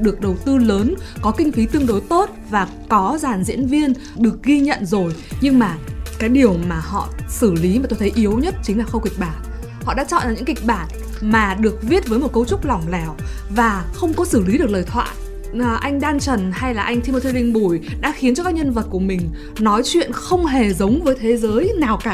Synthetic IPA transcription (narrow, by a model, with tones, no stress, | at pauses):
ɗɨ˨˩ək̚ɗə˨˩wt̪ɨ˧ləː˨˦nkɔ˨˦kï˧ŋ̟fi˨˦t̪ɨ˧əŋɗo˨˦jt̪o˦˥t̚vaː˨˩ | kɔ˨˦zaː˨˩nzḭ˧˥ənvi˧ən | ɗɨ˨˩ək̚ɣi˧ɲə̰˧˨nzo˨˩jɲɨ˧ŋmaː˨˩kaː˨˦jɗi˨˩əwmaː˨˩hɔ̰˧˨sɨ˧˩li˨˦ma˨˩t̪o˧jt̪ʰə˨˦jʔi˨˦əwɲə˦˥t̚t͡ɕï˨˦laː˨˩xə˧ŋ͡mki˨˩k̟̚ɓaː˨˩t̚ | hɔ̰˧˨ɗa̰ː˧˥t͡ɕɔ̰˧˨a˨˩ɲɨ̰˧˥ŋki˨˩k̟̚ɓaː˨˩t̚ | maː˨˩ɗɨ˨˩ək̚vi˦˥ət̚vəː˨˦jmo˨˩t̚kə˧wt͡ɕʊ˦˥k͡p̚la˨˩wŋ͡mlɛ˨˩w | vaː˨˩xə˧wŋ͡mkɔ˨˦sɨ˧˩li˨˦ɗɨ˨˩ək̚ləː˨˩jt̪ʰwa̰ː˧˨j | ʔʔa˧jŋ̟ɗaː˧nt͡ɕə˨˩nha˧jlaː˨˩ʔa˧jŋ̟t̪ʰi˧mo˧t̪ʰi˧lï˧ŋ̟ɓu˧˩jɗa̰ː˧˥xi˨˦nt͡ɕɔ˧kaː˦˥k̚ɲə˧nvə˨˩t̚ku˧˩əmï˨˩ŋ̟ | nɔ˨˦jt͡ɕwḭ˧˨ənxə˧wŋ͡mɦe˨˩zə˨˦wŋ͡mvəː˨˦jt̪ʰe˨˦zəː˨˦jnaː˨˩wkaː˧˩